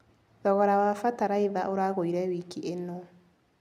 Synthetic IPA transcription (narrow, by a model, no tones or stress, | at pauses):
ðɔɣɔɾawafataɾaiβaʔoɾaɣoiɾɛwiːkiʔenɔ